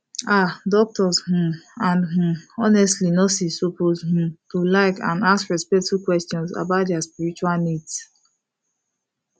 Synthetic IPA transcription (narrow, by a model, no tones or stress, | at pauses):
adɔk̚tɔzhũãnɦũɔnɛstlinɔsissopozhũtulaɪkã̰naskɹɛspɛk̚tfukwɛstɔ̃nsa̰baʊtdjaspiɹit͡ʃualnids